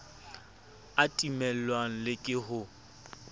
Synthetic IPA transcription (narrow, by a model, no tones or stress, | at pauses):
atʼimɛl̩waŋ̩lɪkʼɪɦʊ